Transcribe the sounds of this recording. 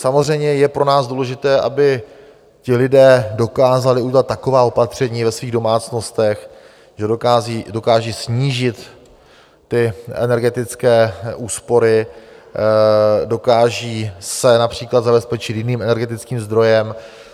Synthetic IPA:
samozr̝ɛjmɲɛjɛpɾo̞naːzduːlɛʒɪt̪ɛːʔa̰bɪ | cɪlɪdɛːdo̞kaːzalɪʔuɟɛlat̪̚ːako̞vaːo̞pat̪r̝̥ɛɲiːvɛsviːɣdo̞maːt͡sno̞st̪ɛx | ʒɛdokaːziːdo̞kaːʒiːsɲiːʒɪt̪ː | ɪʔɛ̰nɛɾɡɛt̪ɪt͡skɛːʔuːspo̞ɾɪ | do̞kaːʒiːsɛnapr̝̥iːklad̪zabɛspɛt͡ʃɪt̪jɪniːmʔɛnɛɾɡɛt̪ɪt͡skiːmzd̪ɾo̞jɛm

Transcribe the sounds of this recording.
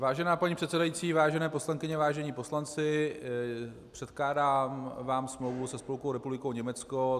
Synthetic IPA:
vaːʒɛnaːpaɲiːpr̥ɛt̪sɛdajiːt͡siːvaːʒɛnɛːposlaŋkɪɲɛvaːʒɛɲiːpo̞slant͡sɪ | pr̝̥ɛt̪klaːdaːmvaːmsmlowvusɛspolkowɾɛpublɪkowɲɛmɛt͡sko

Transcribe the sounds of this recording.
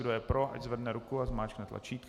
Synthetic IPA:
dojɛpɾoʔa̰czvɛdnɛɾukuazmaːt͡ʃknɛt̪la̰t͡ʃiːk̪

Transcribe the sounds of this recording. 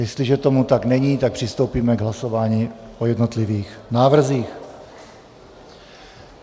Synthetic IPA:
jɛst̪lɪʒɛt̪o̞mut̪aɡnɛɲiːt̪ak̚pr̥ɪst̪o̞wpiːmɛɡɦlaso̞vaːɲiːʔojɛd̪no̞t̪lɪviːxnaːvr̩ziːx

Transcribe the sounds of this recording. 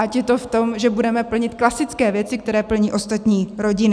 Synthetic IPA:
ʔacjɛt̪o̞ft̪o̞mʒɛbudɛmɛpl̩ɲɪt̪klasɪt͡skɛːvjɛt͡sɪk̚t̪ɛɾɛːpl̩ɲiːʔo̞st̪at̪ɲiːɾo̞ɟɪnɪ

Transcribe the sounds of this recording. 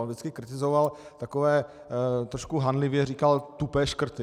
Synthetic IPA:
vdɪt͡skɪkɾɪt̪ɪzoval | t̪akovɛː | t̪ɾoʃkuɦanlɪvjɛriːkalt̪upɛːʃkr̩t̪ɪ

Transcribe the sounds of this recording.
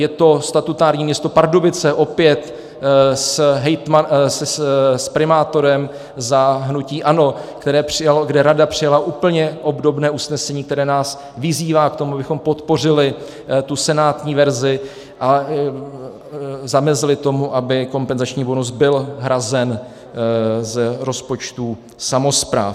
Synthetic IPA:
jɛt̪o̞st̪at̪ut̪aːɾɲiːmɲɛst̪o̞paɾdobɪt͡sɛʔo̞pjɛt̪ | sɦɛjt̪masspɾɪmaːt̪o̞ɾɛm | zaɦnuciːʔano̞kt̪ɛɾɛːpr̝̥ɪjaloɡdɛɾadapr̝̥ɪjalaʔuːpl̩ɲɛʔo̞bdo̞bnɛːusnɛsɛɲiːk̚t̪ɛɾɛːnaːs | vɪziːvaːkt̪o̞muʔabɪxo̞mpot̪po̞r̝ɪlɪ | t̪usɛnaːt̪ɲiːvɛɾzɪ | ʔa | zamɛzɪlɪt̪o̞muʔabɪko̞mpɛnzat͡ʃɲiːbonus̬bɪlɦɾazɛn | zɛɾo̞spo̞t͡ʃt̪u | samo̞spɾa̰ːf

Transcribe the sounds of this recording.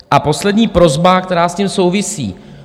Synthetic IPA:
ʔapo̞slɛdɲiːpɾo̞zbakt̪ɛɾaːscimso̞wvɪsḭː

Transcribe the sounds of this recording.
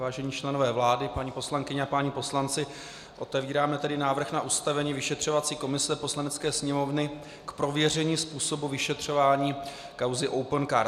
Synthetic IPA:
vaːʒɛɲiːt͡ʃlɛno̞vɛːvlaːdɪpaɲiːpo̞slaŋkɪɲɛapaɲiːpo̞slant͡sɪ | ʔo̞t̪ɛviːɾaːmɛt̪ɛdɪnaːvr̩xnaʔust̪avɛɲiːvɪʃɛt̪r̝̥o̞vat͡siːko̞mɪsɛpo̞slanɛt͡skɛːsɲɛmo̞vnɪ | kpɾo̞vjɛr̝ɛɲiːspuːso̞buvɪʃɛt̪r̝̥o̞vaːɲiː | kawzɪʔowpənkaɾ

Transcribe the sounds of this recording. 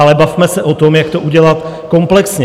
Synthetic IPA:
alɛbafmɛsɛʔo̞t̪o̞mjakt̪o̞ʔuɟɛlat̪ | ko̞mplɛksɲɛ

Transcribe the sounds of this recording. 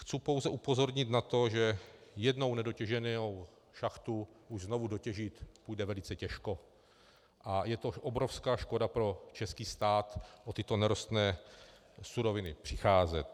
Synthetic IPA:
xt͡supo̞wzɛʔupo̞zo̞ɾɲɪt̪nat̪o̞ʒɛjɛdno̞wnɛdo̞cɛʒɛnow | ʃaxt̪uʔuʒznovudocɛʒit̪pujdɛvɛlɪt͡sɛcɛʃko̞ | ʔajɛt̪o̞ʔobɾofskaːʃko̞dapɾo̞t͡ʃɛskiːst̪aːt̪ʔot̪ɪt̪o̞nɛɾost̪nɛː | suɾo̞vɪnɪpr̝̥ɪxaːzɛt̪

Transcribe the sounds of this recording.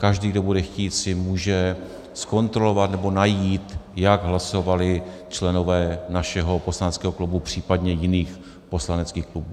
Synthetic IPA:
kaʒdiːɡdo̞budɛxciːt̪sɪmuːʒɛ | sko̞nt̪ɾo̞lo̞vat̪nɛbo̞najiːt̪jaɡɦlaso̞valɪt͡ʃlɛno̞vɛːnaʃɛɦo̞po̞slanɛt͡skɛːɦo̞klubupr̥iːpadɲɛjɪniːx | po̞slanɛt͡skiːxklubuː

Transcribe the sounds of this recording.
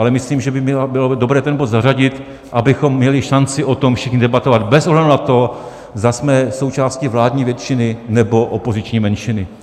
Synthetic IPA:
ʔalɛmɪsliːmʒɛbɪmɛbɪlodobɾɛːt̪ɛnbod̪zaraɟɪt̪ | ʔabɪxo̞mːɲɛlɪʃant͡sɪʔo̞t̪omfʃɪxɲɪdɛbat̪ovad̪bɛsʔoɦlɛdunat̪o | zd̪asmɛso̞wt͡ʃaːscɪvlaːdɲiːvjɛt̪t͡ʃɪnɪnɛbo̞ʔopo̞zɪt͡ʃɲiːmɛnʃɪnɪ

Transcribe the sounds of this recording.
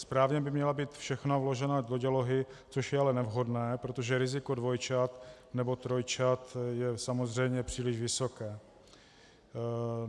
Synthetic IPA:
spɾaːvɲɛbɪmɲɛlabiːt̪fʃɛxnavlo̞ʒɛnadoɟalo̞ɦɪt͡soʃjɛalɛnɛvɦo̞dnɛːpɾo̞t̪o̞ʒɛɾɪzɪko̞dvo̞jt͡ʃat̪ | nɛbo̞t̪ɾojt͡ʃat̪jɛsamo̞zr̝ɛjmɲɛpr̝̥iːlɪʒvɪso̞kɛː

